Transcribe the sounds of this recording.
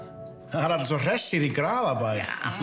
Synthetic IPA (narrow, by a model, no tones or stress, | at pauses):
aɾadsɔr̥ɛsɪðiɡɾaːlˠabaj